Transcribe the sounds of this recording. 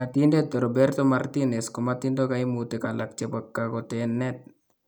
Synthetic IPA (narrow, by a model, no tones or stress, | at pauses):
atindet̪ːoɾobɛɾt̪omart̪inɛskomat̪indokaimut̪ekalʔak̚t͡ʃepakːakɔtɛnːɛt̪̚